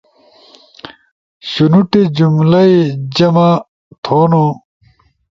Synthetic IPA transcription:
ɕunuʈed͡ʑumlɐid͡ʑɐma | t̪ʰoːno

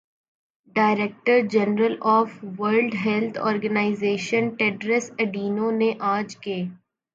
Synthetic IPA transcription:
ɖaːɪɾek̚ʈəɾd͡ʒɛnɾəlɔːfʋəɾlɖɦɛlt̪ʰɔ̰ːɾɡənaːɪzeːʃənʈeːɖɾəsɐɖiːnõneʔaːd͡ʒkeː

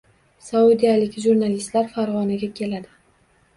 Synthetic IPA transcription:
saud̪ijalɪkʲʒuɾnalist̪laɾfaɾʁɒnaɡʲakʲʰe̞lad̪ɪ

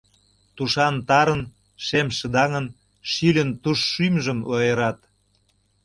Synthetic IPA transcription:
t̪uʃɑnt̪ɑɾən | ʃemʃə̆d̪ɑŋən | ʃylʲənt̪uʃːymʒəmlojeɾɑt̪

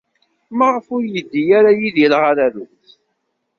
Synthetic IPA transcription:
maʁəfʊɾjəd̪ːijaɾajiðjəlʁaɾæðuθ

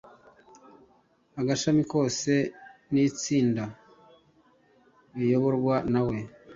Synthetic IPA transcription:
aɡaʃamiko̞ːse̞nit͡siːnda | βijo̞βo̞ɾɡwanawe̞

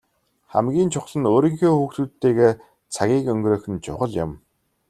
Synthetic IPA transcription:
χæ̰mɡʲiːnt͡ɕʰʊχɮə̆noːɾĭŋxeːxuːxt̪uːt̪ːeːɣeː | t͡sʰaɣʲiːkɵŋɡɾœːxɘ̆nt͡ɕʰʊ̰χə̆ɮja̰m

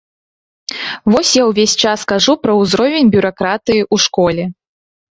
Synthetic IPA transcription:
vɔsʲjawvʲesʲt͡ʂaskaʐupɾɐwzɾɔvʲenʲbʲuɾakɾat̪ɨjiʔuʂkɔlʲɛ

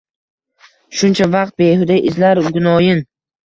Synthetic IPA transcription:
ʃʊnt͡ʃʰavɑq̚t̪̚beɦʊd̪aʔɪzlaɾɡʊnɒjɪn

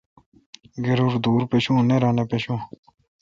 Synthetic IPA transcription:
ɡeɾuɾd̪uːɾpeɕũːneɾãnapeɕũ

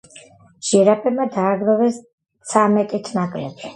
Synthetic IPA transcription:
ʒ̥iɾapʰɛbmad̪aːɡɾɔvɛs | t̪sʰamɛt̪ʼit̪ʰnakʼlɛ̰b̥ʃi̥

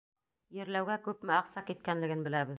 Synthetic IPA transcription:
jɘ̆ɾlæwɡækʉpmɘɑqsɑkit̪̚kænlɘ̆ɡɘnbɘ̆læβɘð

